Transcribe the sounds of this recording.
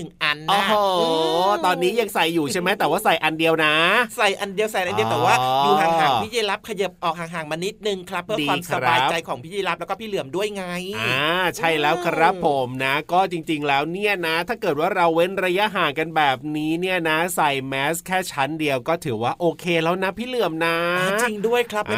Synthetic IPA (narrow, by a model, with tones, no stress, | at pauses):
nɯ˨˩ŋʔa˧nːɔ˧˥ɦoː˧t̪ɔː˧nːiː˦˥ja˧ŋsa˨˩jːuː˨˩t͡ɕʰa˥˩jma˦˥jt̪ɛː˨˩waː˥˩sa˨˩jʔa˧ndi˧əwna˦˥sa˨˩jʔa˧ndi˧əwsa˨˩jna˧˦ji˧˩t̪ɛː˨˩waː˥˩juː˨˩haː˨˩aː˨˩ŋʰiː˥˩jiː˧la˦˥p̚kʰa˧jɤ˨˩p̚ʔɔː˨˩k̚haː˨˩˦ŋɦaː˨˩˦ŋma˧ni˦˥t̪̚nɯ˧ŋkʰɾa˦˥pʰːɯ˥˩ədi˨waː˧msʰa˧ɾbaː˧jt͡ɕa˧jkʰɔː˩˦ŋpʰiː˥˩iː˧˩la˦˥plɛː˦˥kɔː˥˩pʰiː˥˩lɯ˨˩˦əmdu˥˩əjŋa˧˥jʔaː˧t͡ɕʰa˥˩jlɛː˦˥wkʰa˧ɾa˦˥pʰːo˩˦mna˦˥kɔː˥˩t͡ɕi˧ŋt͡ɕi˧ŋlɛː˦˥wni˥˩ɐna˦˥t̪ʰaː˥˩kɤː˨˩t̪̚waː˥˩ɾa˧wːe˦˥˩nɾa˧ja˦˥ʔɦaː˩˦ka˧nbɛː˨˩p̚niː˦˥ni˥˩ɐna˦˥sa˨˩jmɛː˦˥skʰɛː˥˩t͡ɕʰa˦˥ndi˧əwkɔː˥˩t̪ʰɯː˩˦waː˥˩ʔoː˧kʰeː˧lɛː˦˥wna˦˥pʰiː˥˩lɯ˨˩əmna˦˥˧t͡ɕi˧ŋdu˥˩əjkʰɾa˦˥pʔ